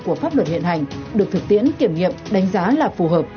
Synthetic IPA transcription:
ku˧˩əfaː˦˥p̚lwə˨˩t̚hḭ˧˨ənha˨˩jŋ̟ɗɨ˨˩ək̚t̪ʰɨ˨˩k̚t̪ḭ˧˥ənki˧˩əmŋḭ˧˨əmɗa˨˦jŋ̟zaː˨˦laː˨˩fu˨˩ɦəː˨˩p̚

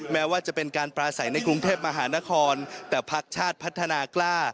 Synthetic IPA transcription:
mɛː˦˥waː˥˩t͡ɕa˨˩pe˧nkaː˧npɾaː˧sa˩˦jna˧jkɾu˧ŋt̪ʰeː˥˩p̚ma˧ɦaː˩˦na˦˥kʰɔː˧nt̪ɛː˨˩pʰa˦˥k̚t͡ɕʰaː˥˩t̪̚pʰa˦˥t̪ʰːa˧naː˧klaː˥˩

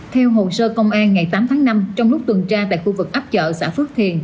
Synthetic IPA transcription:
t̪ʰɛ˧wɦo˨səː˧kə˧wŋ͡mʔaː˧nŋa˨˩jt̪aː˨˦mt̪ʰaː˨˦ŋna˧mt͡ɕɔ˧wŋ͡mlʊ˦˥k͡p̚t̪wɨ˨˩nt͡ɕaː˧t̪a̰ː˧˨jxu˧vɨ˨˩k̚ʔaː˦˥p̚t͡ɕə̰ː˧˨sa̰ː˧˥˩fɨ˦˥ək̚t̪ʰi˧˩ən

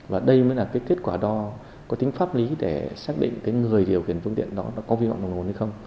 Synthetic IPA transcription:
vaː˨˩ɗə˧jmə˨˦jlaː˨˩kaː˨˦jke˦˥t̚kwaː˧˩ɗɔ˧ | kɔ˨˦t̪ï˨˦ŋ̟faː˦˥p̚li˨˦ɗe˧˩saː˦˥k̚ɗḭ˧˨ŋ̟kaː˨˦jŋɨ˨˩əjɗi˨˩əwxi˧˩ənfɨ˧əŋt̪ḭ˧˨ənɗɔ˨˦ɗɔ˨˦kɔ˨˦vi˧ɔ̰˧˨ɗo˨˩nhə˧jxə˧wŋ͡m

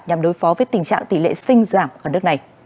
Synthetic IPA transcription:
ɲa˨˩mɗo˨˦jfɔ˨˦vəː˨˦jt̪ï˨˩ŋ̟t͡ɕa̰ː˧˨ŋt̪i˧˩lḛ˧˨sï˧ŋ̟zaː˧˩maː˧˩nɨ˦˥ək̚na˨˩j

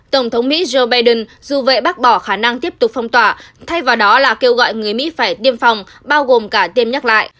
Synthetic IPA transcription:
t̪ə˧˩wŋ͡mt̪ʰə˨˦wŋ͡mmḭ˧˥zo˧ɓaː˧jɗə˧nzu˨˩vḛ˧˨ɓaː˦˥k̚ɓɔ˧˩xaː˧˩na˧ŋt̪i˦˥əp̚t̪ʊ˨˩k͡p̚fə˧wŋ͡mt̪waː˧˩t̪ʰa˧jvaː˨˩wɗɔ˨˦laː˨˩ke˧wɣɔ̰˧˨jŋɨ˨˩əjmḭ˧˥faː˧˩jt̪i˧əmfa˨˩wŋ͡m | ɓaː˧wɣo˨˩mkaː˧˩t̪i˧əmɲə˦˥t̚la̰ː˧˨jʔ

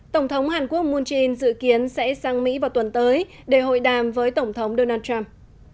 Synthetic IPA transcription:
t̪ə˧˩wŋ͡mt̪ʰə˨˦wŋ͡mhaː˨˩nku˦˥ək̚mu˧nt͡ɕi˧nzɨ̰˧˨ki˨˦ənsɛ̰˧˥saː˧ŋmḭ˧˥vaː˨˩wt̪ə˨˩nt̪əː˨˦j | ɗe˧˩ho̰˧˨jɗaː˨˩mvəː˨˦jt̪ə˧˩wŋ͡mt̪ʰə˨˦wŋ͡mɗo˧naː˧t̚t͡ɕa˧m

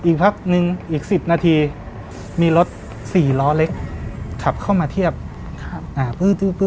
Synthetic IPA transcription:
ʔiː˨˩k̚pʰa˦˥k̚nɯ˧ŋʔiː˨˩k̚si˨˩p̚naː˧t̪ʰiː˧ | miː˧lo˦˥t̪̚ | siː˨˩lɔː˦˥le˦˥k̚kʰa˨˩p̚kʰa˥˩wmaː˧t̪ʰi˥˩ɐp̚ | kʰʔaː˨˩pɯː˥˩t̪ɯː˥˩pː

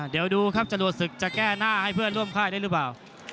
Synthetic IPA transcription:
di˨˦əwduː˧kʰa˦˥˩p̚t͡ɕa˨˩lu˨˩ət̪̚sɯ˨˩k̚t͡ɕa˨˩kɛː˥˩naː˥˩ha˥˩jpʰɯ˥˩ənlɾu˥˩əmkʰaː˥˩jda˥˩jlɯ˨˦˥paː˨˩w

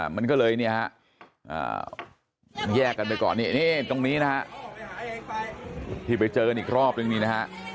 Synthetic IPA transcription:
ma˧nkɔː˥˩lɤː˧jni˥˩ɐkʰa˦˥ʔ | ʔa̰ː˨˩ | jɛː˥˩kːa˧npa˧jkɔ̰ː˨˩nːi˥˩niː˥˩t̪o˧ŋniː˦˥na˦˥kʰa˦˥ʔ | t̪ʰiː˧˩pa˧jt͡ɕɤː˧ka˧nʔiː˨˩k̚ɾɔː˥˩p̚nɯ˥˧ŋniː˥˩na˦˥kʰa˦˥ʔ

